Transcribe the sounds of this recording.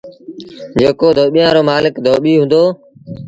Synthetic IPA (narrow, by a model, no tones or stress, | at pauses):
d͡ʒeːkoːd̪ʱoːɓijãːɾoːmaːlɪkd̪ʱoːɓiːɦʊ̃nd̪oː